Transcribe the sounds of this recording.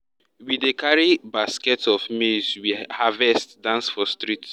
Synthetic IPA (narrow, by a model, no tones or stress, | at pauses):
widekaɹibaskɛtɔfmiswihavɛstdãnsfɔstɹit